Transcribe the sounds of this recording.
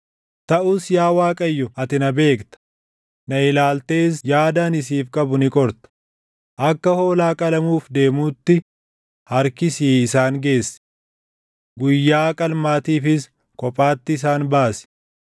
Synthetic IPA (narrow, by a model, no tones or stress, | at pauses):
t̪ɐʔuːsjaːwaːkʼɐjːɔɐt̪ɪnɐbe̞ːkt̪ɐ̥ | nɐɪlaːlt̪e̞ːsjaːd̪aːnɪs̬iːfkʼɐbʊnɪkʼɔɾt̪ɐ̥ | ʔɐkːɐho̞ːlaːkʼɐlɐmuːfd̪e̞ːmuːt̪ːɪ | hɐɾkɪsiːɪsaːŋɡe̞ːsːɪ̥ | ɡʊjːaːkʼɐlmaːt̪iːfɪs | kʼɔpʼaːt̪ːɪs̬aːnbaːsɪ̥